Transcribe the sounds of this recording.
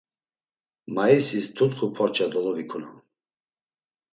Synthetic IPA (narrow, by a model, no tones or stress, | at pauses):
maisist̪ʰut̪χupʰɔɾt͡ʃʰad̪ɔlɔvikʰuna̰n